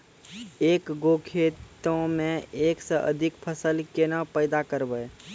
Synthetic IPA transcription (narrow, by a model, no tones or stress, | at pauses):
ekɡokʰet̪õmẽeksə̃ʔə̰d̪ʱikpʰəsəlkenəpəɪd̪akəɾbəj